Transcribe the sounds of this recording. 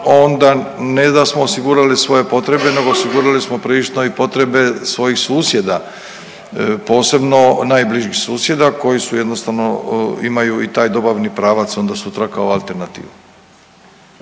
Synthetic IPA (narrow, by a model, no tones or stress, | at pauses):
o̞nd̪ane̞d̪asmo̞ːsiɡuːɾalisʋo̞je̞po̞t̪ɾe̞be̞ne̞ɡo̞osiɡuːɾalismo̞pɾiʃoipo̞t̪ɾe̞be̞sʋo̞jixsuːsje̞d̪a | po̞ːse̞bno̞naːjbliʒixsuːsje̞d̪ako̞jisuje̞d̪no̞st̪aʋno̞imajuit̪aːjd̪o̞baʋnipɾaːʋat̪so̞nd̪asut̪ɾakaoalˠt̪e̞ɾnat̪ḭːʋu